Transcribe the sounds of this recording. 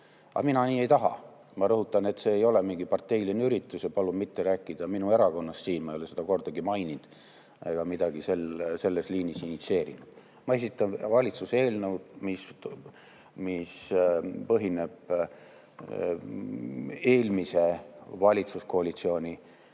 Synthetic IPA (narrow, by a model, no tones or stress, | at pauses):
ɑ̰minɑniːe̞jt̪ɑɦɑ̰ | mɑɾɤɦut̪ːˑɑne̞t̪se̞ːjo̞lemiŋɡ̥ipɑrt̪ːˑe̞jlineyɾit̪ːˑusepɑlubmit̪ːe̞ɾæːkːˑid̪̥ɑminue̞ɾɑko̞nːɑssiːnmɑejolese̞d̪ɑko̞rd̪̥ɑɡimɑjnind̪̥ | eɡ̥ɑmid̪̥ɑɡ̥ise̞lse̞lːe̞sliːnisinit̪se̞ːɾinud̪̥ | mɑe̞s̬it̪ːˑɑnvɑlʲit̪suse̞ːlnewd̪̥mis | mispɤɦine̞b̥ | e̞ːlmise̞vɑlʲit̪susko̞ɑlit̪sio̞ːnʲi